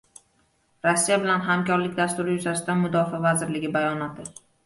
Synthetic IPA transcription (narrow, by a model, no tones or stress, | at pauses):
ɾɒsːijabɪlanɦamkʲɒɾlɪkʲd̪ast̪ʊɾɪjʊzasɪd̪anmʊd̪ɒfavazɪɾlɪɡʲɪbajɒnɒt̪ʰɪ